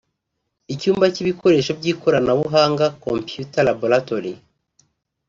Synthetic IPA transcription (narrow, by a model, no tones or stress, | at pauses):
icuːmbaciβikʰo̞ɾe̞ʃob̚ɟiːko̞ɾanaβuɦaːŋɡakompjutalaboɾatoɾḭ